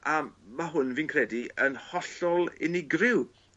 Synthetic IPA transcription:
amaɦʊnviːnkʰrɛdiənhɔɬɔlˠɪ̰nɪɡrɪw

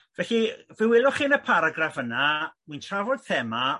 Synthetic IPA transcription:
vɛɬivɪwɪlˠʊχiːnəpʰaɾaɡrafənamujntʰravɔd̥̪̚θɛma

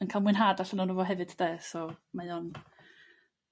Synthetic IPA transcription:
ənkʰalˠmwɨnɦaːdaɬənanuvɔɦɛvɨd̥d̥ɛːsɔmajɔn

